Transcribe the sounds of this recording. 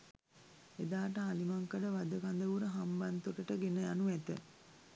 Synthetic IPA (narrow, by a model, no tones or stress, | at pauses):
ed̪aːʈəalimaŋkəɖəʋad̪əkand̪əʋuɾəɦambant̪oʈəʈəɡenəjanuʋæt̪ə̰